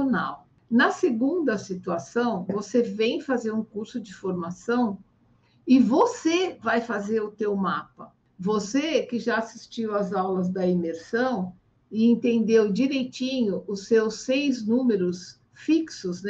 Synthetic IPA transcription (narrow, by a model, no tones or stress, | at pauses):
na̰w | nɐseɡũnd̪ɐsit̪uasɐ̃w̃vosevẽj̃fazeɾũkuɾsʊd͡ʒɪfoɾmasɐ̃w̃ | ɪvosevajfazeɾʊt̪ewmapɐ | vosekɪʒaasist͡ʃiwɐzawlɐzd̪ɐimeɾsɐ̃w̃ | ɪẽnt̪ẽnd̪ewd͡ʒiɾejt͡ʃĩɲʊʔʊsewsːejznũmeɾʊs | fiksʊzn